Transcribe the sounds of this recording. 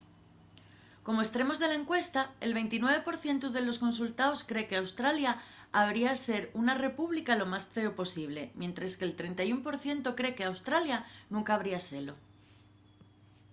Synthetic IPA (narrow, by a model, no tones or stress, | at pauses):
ko̞moest̪ɾe̞mo̞zðe̞lae̞ŋkwe̞st̪aḛlβe̞jnt̪inwe̞β̞e̞po̞ɾθje̞nt̪uð̞e̞lo̞sko̞ns̬ult̪aoskɾe̞ke̞awst̪ɾaljaː | β̞ɾiase̞ɾunare̞puβ̞likalo̞masθe̞opo̞siβ̞le̞mje̞nt̪ɾeskelt̪ɾe̞nt̪ajumpo̞ɾθje̞nt̪okɾe̞ke̞awst̪ɾaljanũŋkaːβ̞ɾiase̞lo̞